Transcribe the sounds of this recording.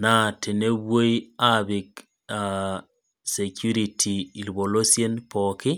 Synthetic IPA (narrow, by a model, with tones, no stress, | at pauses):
na˨tʰe˨ne˦wo˦i˦a˦bɪ˨k | a | se˨kʰju˦ɾi˨tʰi˨i˨lbo˨lo˦si˦e˦npɔ˨kɪ˦